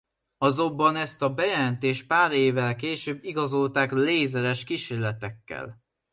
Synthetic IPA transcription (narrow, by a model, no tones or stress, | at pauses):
ɒzo̞bːɒnɛst̪ɒbɛjɛlɛnt̪eːʃ̚paːɾeːvɛlkeːʃøːbːiɡɒzo̞lt̪aːkleːzɛɾɛʃkiʃeːrlɛt̪ɛkːɛ̰l